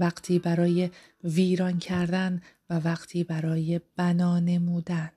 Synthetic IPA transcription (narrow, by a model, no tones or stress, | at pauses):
æɡt̪ʰiːbæɾɒːje̞ | viːɾɒncʰæɾd̪ænvævæɢ̥t̪ʰiːbæɾɒːje̞b̥ænɒːne̞muːd̪æn